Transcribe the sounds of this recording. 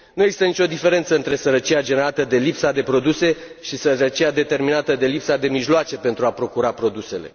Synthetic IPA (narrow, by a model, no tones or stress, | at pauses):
nueɡzist̪ənit͡ʃʲo̞d̪ife̞ɾe̞nt̪səɨnt̪ɾe̞səɾət͡ʃiad͡ʒe̞neɾat̪əd̪e̞lipsad̪e̞pɾo̞d̪use̞ | ʃisəɾət͡ʃiad̪e̞t̪e̞rminat̪əd̪e̞lipsad̪e̞miʒloat͡ʃe̞pe̞nt̪ɾuapɾo̞kuɾapɾo̞d̪use̞le̞̰